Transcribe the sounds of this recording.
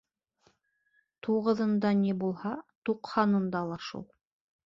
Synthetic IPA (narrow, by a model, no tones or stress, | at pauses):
t̪ʰuʁɤ̆ðɤ̆nd̪ɑnibulˠhɑt̪uqhɑnɤ̆nd̪ɑlˠɑʃṵlˠ